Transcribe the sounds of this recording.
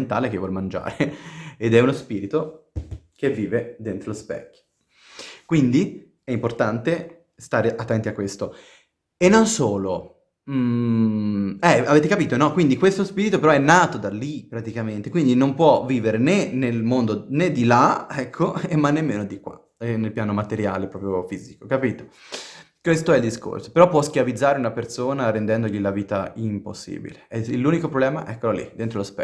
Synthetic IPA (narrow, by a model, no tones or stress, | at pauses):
nt̪aːlek̟evwɔlmand͡ʒa̰ːɾeed̪ɛunospiːɾit̪o | k̟evːiːved̪ent̪ɾolospɛ̰kːjo̥ | kwind̪i | ɛimport̪ant̪e | st̪aːɾeʔat̪ːɛnt̪iakːwest̪o | enːonsoːlo | m | ɛaveːt̪̬ekapiːt̪onɔkːwind̪ikwest̪ospiːɾit̪opeɾɔɛnːaːt̪od̪alːipɾat̪ikament̪ekwind̪inompwɔviːveɾenenelmond̪oned̪ːilaɛkʰːoemːanːemːeːnod̪ikwa̰ | ɛnelpjaːnomat̪eɾja̰ːlepɾɔːpɾjofiːziko̥kapiːt̪o̥ | kwest̪oɛild̪isko̰rso̥peɾɔpːwɔskjavid̪zːaːɾeunapersoːnaɾend̪ɛnd̪oʎilaviːt̪a̰impo̰sːḭːbḭleɛilːuːnikopɾoblɛːma̰ʔɛkːolalːḭd̪ent̪ɾolospɛ